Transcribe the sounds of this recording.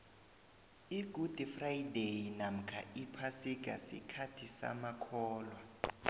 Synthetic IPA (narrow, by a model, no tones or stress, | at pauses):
iɡ̥ʱud̥ʱifrajdejinam̩kʰa̰ipʰasik̬ʼa̰sḭkʰatʰisa̰makʰɔːlwa